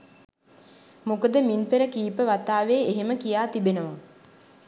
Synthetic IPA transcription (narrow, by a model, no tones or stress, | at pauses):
mukəd̪əminpeɾəkiːpəʋat̪aːʋeːeɦeməkijaːt̪ibenəʋa